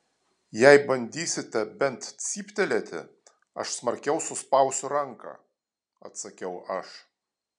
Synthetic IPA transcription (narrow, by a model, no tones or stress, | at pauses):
jɛɪbɐnʲd̪ʲiːsʲɪt̪ʲɛbʲɛnt̪t̪sʲiːpʲt̪ʲɛlʲet̪ʲɪ̰ | ɐ̰ʃsmɐɾʲkʲɛʊsʊspɐʊsʲʊɾɐŋkɑ̰ː | ɐ̰t̪sɐkʲɛʊʔɐʃ